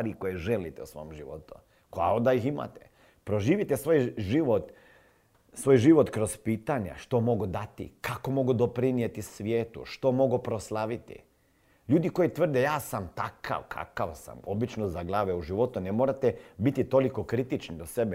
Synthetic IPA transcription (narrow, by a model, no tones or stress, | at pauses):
ɾikojeʒelit̪eusʋo̞̰omʒiʋo̰t̪u | kaod̪ajixima̰t̪e | pɾoʒiːʋit̪esʋoːjʒiʋot̪ | sʋoːjʒiʋo̞t̪kɾo̞zpiːt̪aɲa̰ʃt̪o̞mo̞ɡud̪at̪ḭkako̞mo̞ɡud̪opɾinijet̪isʋjeːt̪ṵʃt̪o̞mo̞ɡupɾoslˠaʋit̪ḭ | ʎuːd̪iko̞jit̪ʋr̩d̪ejaːsamt̪aka̰ʋkʰa̰ka̰ʋsa̰mo̞bit͡ʃnozaɡlˠaːʋeuʒiʋo̞t̪unemoːɾat̪ebit̪it̪o̞liko̞kɾit̪it͡ʃnid̪osebe